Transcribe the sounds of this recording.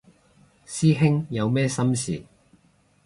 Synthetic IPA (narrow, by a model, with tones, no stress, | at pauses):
siː˥ɦɪ˥ŋjɐ˨˧wmɛː˥sɐ˥msḭː˨˩